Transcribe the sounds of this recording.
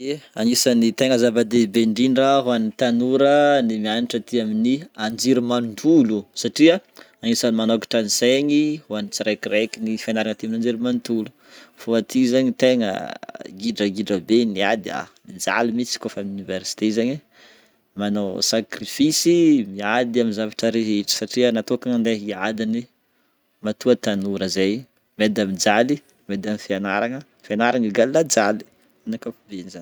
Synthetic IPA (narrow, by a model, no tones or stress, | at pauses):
eaŋisanit̪eŋəzavad̪ebeɳɖ͡ʐinraɦuanit̪anuɾənimianiʈ͡ʂət̪iaminiand͡ʒiɾumant̪ulusaʈ͡ʂia | aŋisanimanoki̥ʈ͡ʂanizeɲihuanit͡siɾekiɾekinifanaɾaŋət̪iaminand͡ʒiɾumant̪ulu | foat̪ʰizaɲit̪eŋə̰ɡiɖ͡ʐəɡiɖ͡ʐəbenia̰d̪ia̰mid͡za̰limit͡si̥kofamunivɛɾsi̥t̪ezaɲi | manawsakɾifisimiad̪iaminzavaʈ͡ʂəɾeɦeʈ͡ʂi̥saʈ͡ʂiənat̪okaŋand̪eɦiad̪ini | mat̪uat̪anuɾəzaj | med̪amid͡zali | med̪amifianaɾaŋə | fianaɾaŋiɡallad͡zali̥ | anakafubenizan